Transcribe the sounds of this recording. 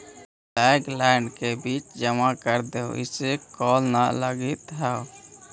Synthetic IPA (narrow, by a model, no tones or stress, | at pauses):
taɡlɛɳɖkebit͡ʃd͡ʒəmakəɾd̪eo̰ḭsekɔlnaləɡit̪ɦəw